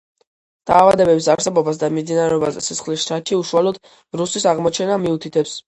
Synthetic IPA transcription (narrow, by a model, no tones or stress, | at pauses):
d̪̥aːvad̪ɛbɛbisaɾsɛbɔbas̬d̪amimd̪inaɾɛɔbazɛsisχlisʃt̪ʰat͡ʃʰiuʃualɔd̪̥ | ɾusisaʁmɔt͡ʃʰɛnamiut̪ʰit̪ʰɛps